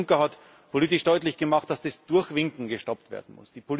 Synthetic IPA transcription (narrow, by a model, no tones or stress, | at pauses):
ŋkɐhat | pʰoliːtɪʃd̥ɔʏtlɪçɡ̥əmaχt̚d̥asd̥ɛsd̥ʊɐçv̥ɪŋkŋ̩ɡəʃtɔptv̥ḛːɐdn̩mʊ̰sd̥iːpʰol